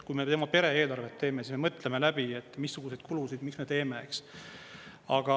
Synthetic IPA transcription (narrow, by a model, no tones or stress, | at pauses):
kujme̞t̪e̞mɑpe̞ɾee̞ːlɑrvet̪ːe̞ːme̞sisme̞mɤt̪ːˑleme̞læb̥iet̪ːmisːuɡ̥use̞jd̪̥kulusid̪miksme̞t̪e̞ːme̞eks | ɑɡ̥ɑ